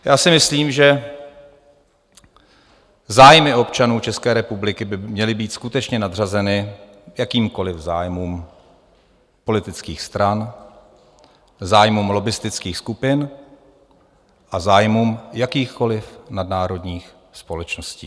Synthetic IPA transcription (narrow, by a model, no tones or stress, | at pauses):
jaːsɪmɪsliːmʒɛ | zaːjmɪo̞pt͡ʃanuːt͡ʃɛskɛːɾɛpublɪkɪbɪmɲɛlɪbiːt̪skut̪ɛt͡ʃɲɛnad̪r̝azɛnɪjakiːmko̞lɪvzaːjmuːm | po̞lɪt̪ɪt͡skiːxst̪ɾan | zaːjmuːmlo̞bɪst̪ɪt͡skiːxskupɪn | ʔazaːjmuːmjakiːxko̞lɪfnadnaːɾo̞dɲiːx | spo̞lɛt͡ʃno̞scḭː